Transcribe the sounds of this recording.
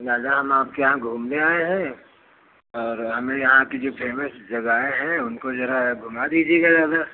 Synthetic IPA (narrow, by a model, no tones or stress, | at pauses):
zaːd͡ʒaɦɐmaːp̚kejɐɦãɡʱuːmneaːeɦɛ̃ | ɔːɾɦɐmẽjɐɦãkid͡ʒoːpʰeːməsd͡ʒɐɡaːeɦɛ̃ʊnkozɐɾaɡʱʊmad̪iːd͡ʒieɡazaːd̪a